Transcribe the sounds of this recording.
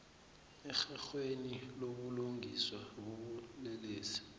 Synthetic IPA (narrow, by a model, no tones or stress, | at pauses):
ɛxaxweniloɓuluŋʱiswaɓuɓulɛleːsi̥